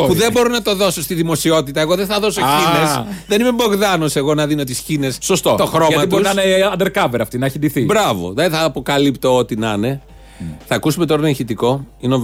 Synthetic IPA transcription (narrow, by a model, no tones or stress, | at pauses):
puðe̞bo̞ɾinɐt̪o̞ðo̞so̞st̪iðimo̞sio̞t̪it̪ɐeɣo̞ðenθɐðo̞soinesðe̞nimebo̞ɣðɐnose̞ɣo̞nɐðinot̪isçine̞sːo̞st̪o̞t̪oxɾo̞ɐmɐib̪osinɐneɐnd̪eɾkɐveɾɐft̪inɐçind̪iθibɾɐvo̞̰ðɐiθɐːpo̞kɐlipt̪o̞ot̪inɐne̞ | θɐːkusume̞t̪oɾɐneçit̪iko̞ino